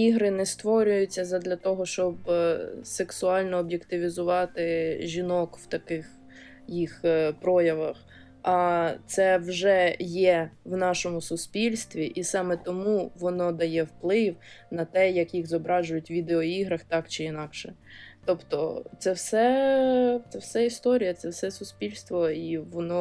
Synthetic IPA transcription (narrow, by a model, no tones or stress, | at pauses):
iɦɾɪnɛst̪ʋɔɾʲʊjʊt͡sʲːɐzɐd̪lʲɐt̪ɔɦɔʃt͡ʃɔbseksʊɑlʲnɔːbjekt̪ɪʋʲizʊʋɑt̪ɪʒʲinɔkw̥t̪ɐkɪx | jixpɾɔjɐʋɐx | ɐt̪sɛwʒɛjɛwnɑʃɔmʊsʊspʲilʲst̪ʋʲiʔisɑmɛt̪ɔmuʋɔnɔd̪ɐjɛwplˠɪwnɐt̪ɛjɐkjiɣzɔbɾɑʒʊjʊtʲʋʲid̪eɔiɦɾɐxt̪ɑkt͡ʃɪinɑkʃɛt̪ɔpt̪ɔt̪sɛwsɛ | t̪sɛwsɛist̪ɔɾʲijɐt̪sɛwsɛsʊspʲilʲst̪ʋɔiʋɔnɔ